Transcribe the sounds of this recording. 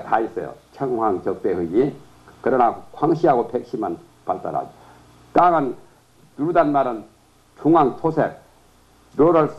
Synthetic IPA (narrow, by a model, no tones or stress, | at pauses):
tais͈ʌjo̰t͡ɕʰʌŋhwaŋt͡ɕʌk̚t͈ehɯɡi | kɯɾʌnakʰwaŋɕʰiɦaɡopʰek̚ɕʰiman | palt͈a̰ɾa̰do | t̪aŋan | tuɾdanmaɾɯn | t͡ɕʰuŋaŋtʰosʰḛk̚ | doɾals